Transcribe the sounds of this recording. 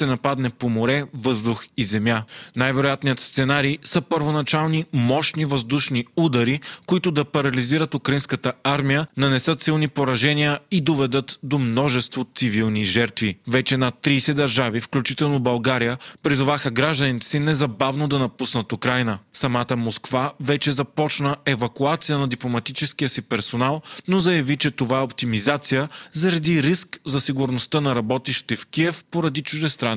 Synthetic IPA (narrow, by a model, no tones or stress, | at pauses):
t̪ɛnɐpad̪nɛpomoɾɛvɤzd̪uxizɛmjanajvɛɾojat̪nijət̪st̪sɛnaɾiːsəpəɾvonɐt͡ʃalˠnimɔʃnivɐzd̪uʃniud̪ɐɾikoit̪ʊd̪ɐpɐɾɐliziɾət̪ʊkɾɐinskət̪əaɾmijənɐnɛsɤt̪silˠnipoɾɐʒɛnijəid̪ovɛd̪ɤt̪d̪omnɔʒɛst̪vot̪sivilˠniʒɛɾt̪vivɛt͡ʃɛnat̪ːɾiːsɛd̪ɐɾʒavifklʲut͡ʃit̪ɛlˠnobɐlˠɡaɾijəpɾizʊvaxəɡɾaʒd̪ənit̪ɛ̥sinɛzɐbavnod̪ɐnɐpusnət̪ʊkɾajnəsɐmat̪əmoskvavɛt͡ʃɛzɐpɔt͡ʃnəɛvɐkuat̪sijənɐd̪iplˠomɐt̪it͡ʃɛskijəsipɛɾsonalˠnozɐjɐvit͡ʃɛt̪ovaɛopt̪imizat̪sijəzɐɾɐd̪iɾiskzɐsiɡʊɾnost̪ənɐɾɐbɔt̪iʃt̪ɛfkiɛfpoɾɐd̪it͡ʃuʒd̪ɛst̪ɾan